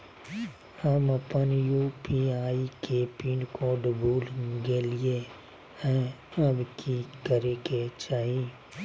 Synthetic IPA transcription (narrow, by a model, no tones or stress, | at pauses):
həməpənjuːpiaːikepiːnkoːɖboːlɡelɪe | hɛ̃əbkikəɾeɡet͡ʃaːɦiː